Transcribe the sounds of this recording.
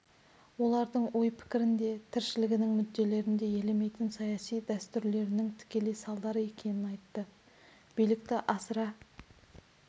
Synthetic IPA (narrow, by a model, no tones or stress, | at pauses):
wo̞lˠɑɾd̪əɴwojpʰɪ̥kʲɪɾɪnd̪e̞t̪ʰɪɾʃɪlɪɡʲɪnɪŋmʏd̪ːe̞le̞ɾɪnd̪e̞je̞leme̞jt̪ɪnsɑjɑsijd̪æst̪ʏɾle̞ɾɪnɪŋt̪ʰɪ̥kʲe̞lejsɑlˠd̪ɑɾəe̞kʲʰe̞nɪnɑjt̪ːə | b̥ijlɪk̚t̪ɪʔɑsɾɑ